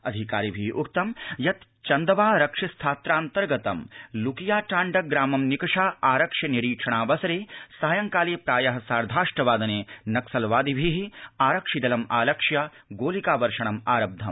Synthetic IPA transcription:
ɐd̪ʱikaːɾibʱiɦiʔuk̚t̪ɐmjɐt̪ | t͡ʃɐnd̪ɐʋaːɾɐkʂɐst̪ʰaːt̪ɾaːnt̪ɐɾɡɐt̪ɐmlukijaːʈaːɳɖɐɡɾaːmɐmnikɐʂaːaːɾɐkʂjɐniɾiːkʂʰɐɳaːʋɐsɐɾeːsaːjɐŋkaːleːpɾaːjɐɦɐ̆saːɾd̪ʱaːʂʈɐʋaːd̪ɐneːnɐksɐlʋaːd̪ibʱiɦiaːɾɐkʂid̪ɐlɐmaːlɐkʂjɐ | ɡoːlikaːʋɐɾʂɐɳɐmaːɾɐb̚d̪ʱːɐm

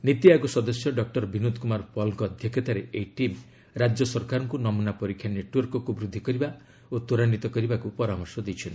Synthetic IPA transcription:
nit̪iaɡusɔd̪ɔsjɔɖɔk̚ʈɔɾbʱinud̪kumaɾpɔlŋkːd̪ʱjɔkat̪aɾeʔejʈim | ɾad͡ʒjɔsɔɾkaɾɔŋkunɔmunapɔɾikʰːjaneʈwɔɾkɔkubɾud̪ʱːikɔɾiba | ot̪uɾanit̪ɔkɔɾibakupɔɾamɔɾsɔd̪it͡ʃʰɔn

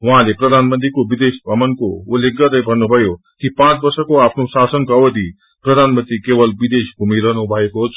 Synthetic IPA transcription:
ɦuɦãleprʌd̪ʱanmənt̪ɾikobid̪esbʱʌmʌnkoulːek̚ɡːʌɾʌjbʱʌrnːubʱʌjo | kipãt͡sbʌrsʌkoapʰnosasʌnkoʌwʌd̪i | prʌd̪ʱanmənt̪ɾikebʌlbid̪esbʱumiɾʌɦnubʱʌekot͡sʰ

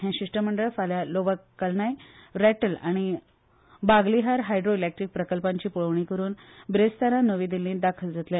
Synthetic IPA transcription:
ɦɛ̃ɕiʂʈəməɳɖəɭfaljaloʋəkːəlnajɾæʈəla̰ɽ̃i | baɡliɦaɾɦajɖɾoilek̚ʈɾiːk̚pɾəkəlpãɲt͡ɕiːpuɭəʋɳ̃ikəɾuːnbɾest̪aɾanəʋĩːd̪ilːĩːd̪akʰəld͡zat̪lẽ

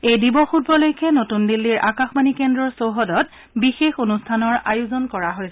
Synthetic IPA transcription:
ejdibɔxut̚bɔlojkʰɛnotundilːiɹʔakaxmanikɛndɹɔɹsoɦɔdɔt | bixexonustʰanɔɹa̰juzɔnkɔɹaɦojsɛ

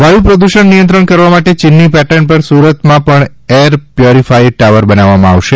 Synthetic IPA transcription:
ʋʱajipɾəd̪uʃəɳnijə̃nt̪ɾəɳkəɾʋamaʈet͡ʃɪnːipɛʈəɳpəɾsuɾət̪mãpəɳ | eɾpjoɾifʰaiʈaʋəɾbənaʋamãaʋʃe

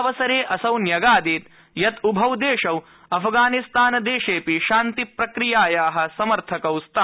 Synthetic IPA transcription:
ʋɐsɐɾeːʔɐsɐwnjɐɡaːd̪eːt̪ | jɐt̪ubʱɐwd̪eːʂɐw | ɐpʰɡaːnist̪aːnɐd̪eːʂeːpiʃaːnt̪ipɾɐkɾijaːjaːɦɐ̆sɐmɐɾt̪ʰɐkɐwst̪ʰaː

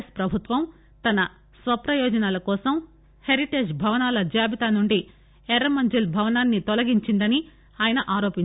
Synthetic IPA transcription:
spɾɐbʱut̪ʋɐm | t̪ɐnɐ | sʋɐpɾɐjɔːd͡ʒɐnaːlɐkɔːsɐm | heɾiʈeːd͡ʒbʱɐʋɐnaːlɐd͡ʒaːbit̪aːnuɳɖi | ɛɾɐmɐɲd͡ʒilbʱɐʋɐnaːnːit̪ɔlɐɡiɲt͡ʃind̪ɐni | aːjɐnɐʔaːɾoːpiɲ

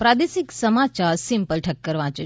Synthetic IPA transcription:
pɾaːd̪esiksɐmat͡ɕaɾsimpəlʈʰəkːəɾʋãːt͡ʃə

